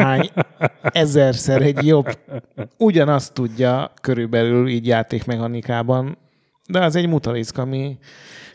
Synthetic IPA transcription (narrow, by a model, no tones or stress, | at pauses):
aːɲ | ɛzɛrsɛɾɛɟjo̞b | uɟɒnɒst̪ːuɟːɒkøɾylbɛlyliːɟjaːt̪eːkmɛhɒnikaːbɒn | d̪ɛɒzɛɟmut̪ɒɾiskɒmi